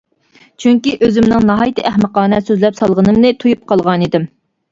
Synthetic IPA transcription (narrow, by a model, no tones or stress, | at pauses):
t͡ʃʰyŋkʲiʔøzɪmnɪŋnɑɦɑjt̪ʰɨʔæhməqɑːnɛsøzlɛpsɑlˠʁənɨmnɨt̪ʰujup̚qʰɑlˠʁɑnid̪ɪm